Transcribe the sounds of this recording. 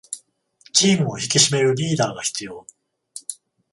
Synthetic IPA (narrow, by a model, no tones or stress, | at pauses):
t͡ɕiːmɯ̟o̞çikʲiɕime̞ɾɯ̟ɾʲiːd̪aːɡaçi̥t͡sɨjo̞ː